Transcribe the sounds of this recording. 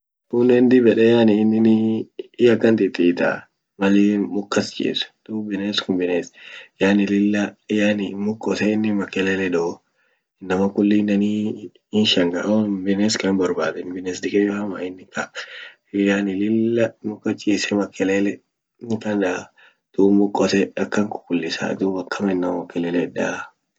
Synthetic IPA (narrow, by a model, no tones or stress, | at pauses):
kʊnːɛnd̪ɪbɛᶑɛjaːnɪːnːɪnɪːjɐkːɐnt̪ɪt̪ːɪːt̪a̰ | mɐlimʊkːɐst͡ʃʼḭːsd̪̥ʊbɪneːskʊmbɪneːsjaːnɪlɪlːɐɪjanɪmʊkːɔsɛɪnːɪmɐkːɛleːlɛd̪ɔ | nːɐmɐkʊlːiːnːɐni | ɪnʃɐŋɡɐʔbɪneːskɐnbɐɾbaːd̪ɛnbɪneːsd̪ɪkʼɛjɐma̰ɪnːɪka | janɪlɪlːɐmʊkːɐt͡ʃʼisɛmɐkːɛlelɛ | nɪkɐnda | d̪̥umʊkʼːɔsɛɐkːɐŋkʊ̥kʊlːɪsa̰d̪ubɐkːɐmɐɪnːɐmmɐkːɛleːlɛda